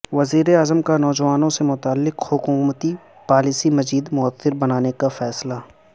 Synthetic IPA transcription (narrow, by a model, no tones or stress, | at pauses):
ʋɐziːɾeaːzəmkanɔːd͡ʒɐʋaːnõsemʊt̪aːlːɪqhʊkuːmət̪i | paːliːsimɐziːd̪mʊəθːɪɾbɐnaːnekafɛːsla